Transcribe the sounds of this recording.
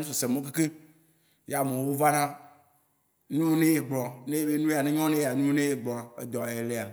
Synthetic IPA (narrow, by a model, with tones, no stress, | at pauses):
nũ˦so˨se˨mõ˦k̬e˦ke˦ | ja˨mẽ˨wo˦va˦nã˦ | nũ˦nẽ˦je˨ɡ͡blɔ˨nẽ˦je˦be˦nũ˦˨a˨nẽ˦ɲɔ̃˦nẽ˦ja˨nũ˦nẽ˦je˦˨ɡ͡blɔ˨a˨ḛ˦d̪ɔ˨e˨le˦a˨